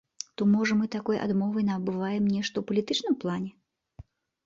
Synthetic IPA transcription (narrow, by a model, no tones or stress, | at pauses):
t̪ɔmɔʐɐmɨt̪akɔjʔa̰d̪mɔvɐjnɐːbɨvajɛmnʲɛʂt̪ɐwpɐlʲit̪ɨt͡ʂnɨmplˠanʲɛ